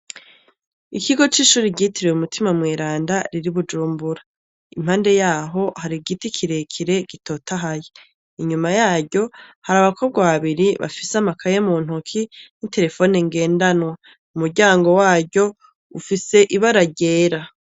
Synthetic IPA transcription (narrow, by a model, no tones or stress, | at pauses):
ikiɡo̞t͡ʃiːʃuːɾiɟitʰiɾewumutʰimamŋeːɾaːndaɾiɾiβud͡ʒuːmbuɾa | im̥haːnde̞jaːɦo̞haɾiɡitikʰiɾe̞kʰiɾe̞ɡ̥itʰo̞ːtaɦaje | iɲumajaːɟo̞haɾaβakʰo̞b̚ɡaβaβiɾiβa̰fisamakʰajemuːn̥ɦukʰinite̞ɾe̞fo̞neŋɡe̞ːndanwa | umuɾɟaːŋɡo̞waːɟo̞ | ufise̞ʔiβaɾaɟe̞ːɾa